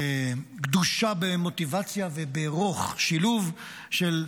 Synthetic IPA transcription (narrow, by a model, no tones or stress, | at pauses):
ɡd̪uʃabemo̞t̪ivat͡sjavebeʁo̞χʃiluv | ʃel